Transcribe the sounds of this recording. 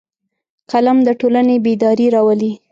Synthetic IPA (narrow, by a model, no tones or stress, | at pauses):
kalamd̪əʈolanebed̪ɑɾiɾɑwəli